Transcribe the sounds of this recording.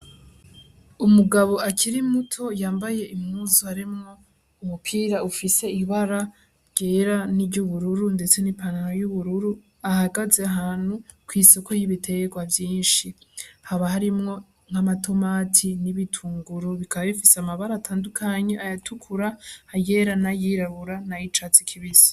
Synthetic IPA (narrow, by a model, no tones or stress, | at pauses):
umuɡaβo̞ʔakʰiɾimutʰo̞jaːmbaje̞ʔimŋuːzuaɾimŋo̞ | umupʰiːɾaufise̞iβaɾa | ɾɟ̥e̞ːɾanibɟuβuɾuɾunde̞t͡se̞nipanaɾojuβuɾuɾu | ahaɡazeaɦaːn̥hu | kwiːso̞ko̞jiβitʰe̞ɡwavjiːnʃihaβahaɾimŋo̞ | ŋ̥hamatʰo̞matʰiniβitʰuːŋɡuɾoβikaβaβifiseamaβaɾatʰaːndukʰaɲe̞ʔajatʰukʰuɾaːje̞ɾanajiɾaβuɾanajit͡ʃat͡sikʰiβizi̥